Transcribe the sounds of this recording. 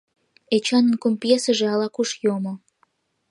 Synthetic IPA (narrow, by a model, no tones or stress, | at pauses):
et͡ɕɑnə̆nkomʲpjesəʒeɑlɑkuʃjomo